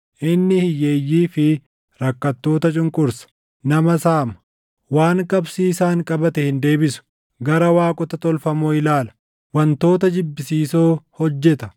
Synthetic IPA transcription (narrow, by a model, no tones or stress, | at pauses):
ʔɪnːɪhɪjːeːjːiːfɪ | ɾɐkːɐt̪ːo̞ːt̪ɐt͡ʃʼʊŋkʼʊɾsɐ̥ | nɐmɐsaːmɐ | waːŋkʼɐbsiːsaːŋkʼɐbɐt̪ɛhɪnd̪e̞ːbɪsʊ̥ | ɡɐɾɐwaːkʼʊt̪ɐt̪ɔlfɐmoːɪlaːlɐ̥ | wɐnt̪o̞ːt̪ɐd͡ʒɪbːɪsiːsoːhɔd͡ʒːɛt̪ɐ